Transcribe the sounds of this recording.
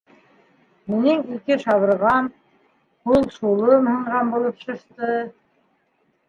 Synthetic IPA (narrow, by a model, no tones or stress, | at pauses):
minɘŋikɘʃɑβɤ̆ɾʁɑn | hulˠʃulˠɤmhɤ̆ɴʁɑnbulˠɤpʃɤ̆ʃt̪ɤ